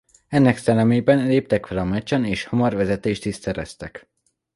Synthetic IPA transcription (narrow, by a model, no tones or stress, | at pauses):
ɛnːɛksɛlːɛmeːbɛnleːp̚t̪ɛkfɛlɒmɛt͡ʃɒneːʃhɒmɒrvɛzɛt̪eːʃt̪issɛɾɛ̰st̪ɛk